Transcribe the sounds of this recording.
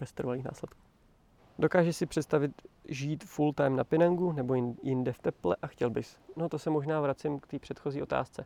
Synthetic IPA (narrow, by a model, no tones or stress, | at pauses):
ɛst̪ɾvaniːxna̰ːslɛt̪kuː | do̞kaːʒɛsɪpr̝̥ɛt̪st̪avɪt̪ʒiːt̪fult̪ajmnapɪnaŋɡunɛbo̞jɪndɛft̪ɛplɛ̰ʔaxcɛlbɪsno̞t̪osɛmo̞ʒnaːvɾat͡sɪmkt̪iːpr̥ɛt̪xo̞ziːʔo̞t̪a̰ːst͡sɛ